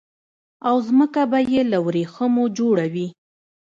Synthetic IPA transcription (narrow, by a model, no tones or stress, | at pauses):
awzməkabajelawɾexəmod͡ʒoɽawi